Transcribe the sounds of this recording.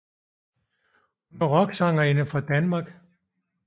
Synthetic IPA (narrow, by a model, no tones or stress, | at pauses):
hunɐʁɒ̽ɡ̥sɑŋɐe̝nəfʁɑ̈d̥ænmɑ̈ːɡ̥